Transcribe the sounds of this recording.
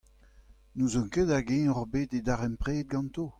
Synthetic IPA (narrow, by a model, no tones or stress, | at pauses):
nuzɔ̃ŋkeːd̪aɡɛ̃ːɔʁbeːd̪ed̪aʁɛmpʁeːd̪̚ɡɑ̃nt̪oː